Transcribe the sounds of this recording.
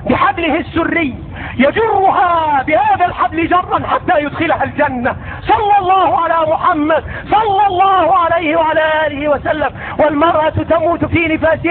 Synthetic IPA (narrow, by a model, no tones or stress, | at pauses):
bɪħablɪhɪsːʊrːɪjː | jad͡ʒʊrˤːʊɦaːbɪhaːðalħablɪd͡ʒɑrˤːɑnħat̪ːaːjʊd̪xɪlhald͡ʒanːa | sˤɑlːɑlˤːɑːhʊʕalaːmʊħamːad̪ | sˤɑlːɑlˤːɑːhʊʕalajhɪwaʕalaːʔaːlɪhɪwasalːam | walmɑɾˤʔɑt̪amuːt̪fiːnɪfaːsɪ